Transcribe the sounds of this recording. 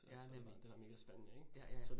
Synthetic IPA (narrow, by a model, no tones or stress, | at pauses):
sd̥e̝ʋɑ̈me̝ːɡ̥əsb̥enənəeɡ̥sɒd̥